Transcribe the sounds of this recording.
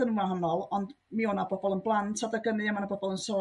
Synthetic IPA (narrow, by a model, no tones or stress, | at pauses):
ənumaɦanɔlˠɔnd | mioːnabɔbɔlˠənblˠantʰadaɡənɨəmanabɔbɔlˠənsɔ